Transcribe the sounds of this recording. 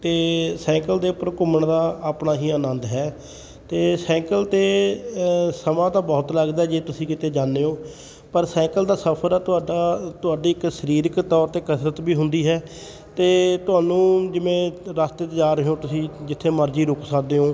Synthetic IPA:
t̪eːsɛ̃ːŋkəld̪eːʊpːəɾkʊməɳd̪aːəpnaːɦiːəːnə̃nd̪ɦɛː | t̪eːsɛ̃ːkəlt̪eː | səmãːt̪aːbɔːt̪ləɡd̪aːɦɛd͡ʒeːt̪ʊsĩːkɪt̪eːd͡ʒaːnːeːõː | pəɾsɛ̃ːŋkəld̪aːsəpʰəɾɛːt̪ʊaːɖaːt̪ʊaːɖiːɪkʃəɾiːɾəkt̪ɔːɾt̪eːkət̪ʰɾət̪biːɦʊnd̪iːɦɛː | t̪eːt̪ʊaːnũːd͡ʒɪmẽːɾaːst̪eːt̪d͡ʒaːɾəɦõːt̪ʊsĩːd͡ʒɪt̪ʰːeːməɾd͡ʒiːɾʊksəkd̪eːɦõː

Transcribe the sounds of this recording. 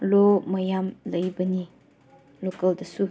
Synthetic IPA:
lomɐjamlɐjbɐni | lokɐldɐsu

